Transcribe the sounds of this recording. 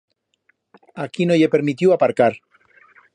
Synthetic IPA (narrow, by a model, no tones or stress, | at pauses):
akinoʎepeɾmit̪̬juapaɾkaɾ